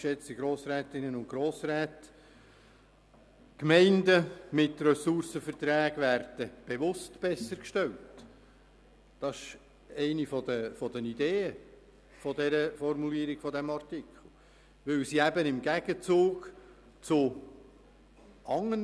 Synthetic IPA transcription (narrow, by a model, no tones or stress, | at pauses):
ʃɛt͡siɡɾoːsɾɛːt̪ɪnənʊnɡ̥ɾoːsɾɛːt | kmɛɪndəmɪtrœsʊɾsəfərt̪ɾæːɡʋæːɾd̥əb̥eʋʊstb̥ɛsːəɾkʃtɛlt | d̥ɑsɪ̥ʃ | ɛɪnifɔd̪əfɔd̪ənideːə | fɔd̪ɛɾəfɔrmuliːəɾɪɡ̥fɔdɛmɑrtɪkχl̩ˠ | ʋɪlsiæbənɪmɡæɡ̥ət͡suːɡ | t͡sʊ | ʔɑŋːən